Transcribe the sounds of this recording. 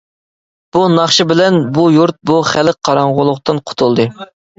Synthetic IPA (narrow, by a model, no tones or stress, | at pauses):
b̥unɑχʃɨbɪlɛnbujuɾt̪̚buχælk̚qʰːɑɾɑɴʁʊlˠʊqt̪ɨnqʰʊ̥t̪ʰulˠd̪ɨ